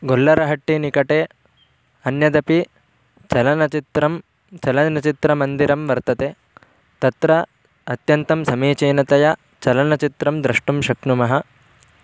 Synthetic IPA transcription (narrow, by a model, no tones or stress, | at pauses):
ɡolːɐɾɐɦɐʈːinikɐʈeː | ɐnjɐd̪ɐpi | t͡ʃɐlɐnɐt͡ʃit̪ɾɐm | t͡ʃɐlɐnɐt͡ʃit̪ɾɐmɐnd̪iɾɐmʋɐɾt̪ɐt̪e | t̪ɐt̪ɾɐ | ɐt̪jɐnt̪ɐmsɐmeːt͡ʃeːnɐt̪ɐjɐ | t͡ʃɐlɐnɐt͡ʃit̪ɾɐmd̪ɾɐʂʈumʃɐknumɐɦɐ